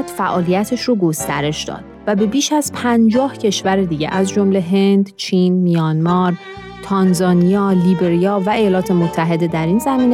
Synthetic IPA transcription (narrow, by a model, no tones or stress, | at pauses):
d̪̥fæʔɒːlijæt̪ʰeʃroːɡost̪æɾe̞ʃd̪ɒ̰ːd̪væbe̞biːʃæzpʰænd͡ʒɒːhcʰe̞ʃvæɾed̪iːɟe̞̰ʔæzd͡ʒo̞mle̞ɦe̞nd̪t͡ʃʰiːnmijɒːnmɒɾ | t̪ʰɒnzɒːnijɒːlibeɾijɒːvæejɒːlɒːt̪ʰe̞mot̪ʰːæɦe̞d̪e̞d̪æɾinzæmiːne